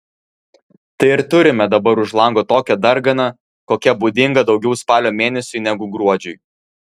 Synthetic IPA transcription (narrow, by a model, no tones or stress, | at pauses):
t̪ɐɪɪɾt̪ʊɾʲɪmʲɛd̪ɐbɐɾʊʃlˠɐŋɡoːt̪oːkʲɛd̪ɐɾɡɐnɐ | koːkʲɛbuːd̪ʲɪŋɡɐd̪ɒʊɡʲɛʊspɑːlʲoːmʲeːnʲɛsʲʊɪnʲɛɡʊɡɾuɔd͡ʒʲʊɪ